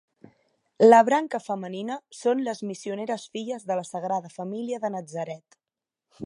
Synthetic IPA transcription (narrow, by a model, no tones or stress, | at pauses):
ləβɾaŋkəfəməninəsonləzmisiuneɾəsfiʎəzðələsəɣ̞ɾaðəfəmiliəðənəd͡zəɾɛt̪